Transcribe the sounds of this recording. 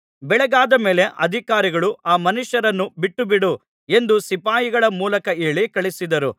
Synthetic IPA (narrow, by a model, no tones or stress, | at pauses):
bɛɭɛɡaːd̪ɐme̞ːle̞ʔɐ̰d̪ʱikaːɾiɡɐɭuaːmɐnuʃjɐɾɐnːubiʈːubiɽu | e̞nd̪usipaːjiɡɐɭɐmuːlɐkɐeːɭikɐɭisid̪ɐɾu